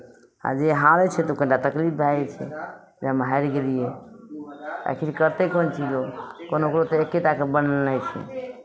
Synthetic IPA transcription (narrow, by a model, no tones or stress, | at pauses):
a̰d͡ʒeɦãɾet͡ʃʰɛt̪okə̃ɳʈat̪əklip̚ʰbʱat͡ʃʰɛ̰ | d͡ʒamɦaɾkelije | ta̰kʰiɾkəɾt̪ekont͡ʃid͡ʒokonokɾot̪ɔekːeʈakebənənajt͡ʃʰɛ̰